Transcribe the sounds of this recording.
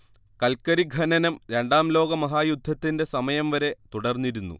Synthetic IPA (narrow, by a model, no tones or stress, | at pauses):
kɐlkɐɾiɡʱɐnɐnɐmɾe̞ɳɖaːmlo̞ːɡɐmɐɦaːjud̪ʱːɐt̪ːinde̞sɐmɐjɐmʋɐɾe̞t̪uɽɐrnːiɾunːṵ